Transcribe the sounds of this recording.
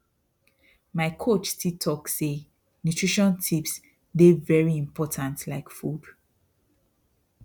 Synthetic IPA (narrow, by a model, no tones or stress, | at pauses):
maɪkʰot͡ʃtʰitʰɔkse | njutʰɹ̥iʃɔ̃ntʰips | devɛɹiĩmpʰɔtʰãntlaɪkfud̥